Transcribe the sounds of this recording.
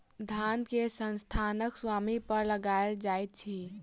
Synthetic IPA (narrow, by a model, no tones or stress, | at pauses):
d̪ʱankesənst̪ʰanəkswamipəɾləɡaeld͡ʒaːjt̪̚t͡ʃʰi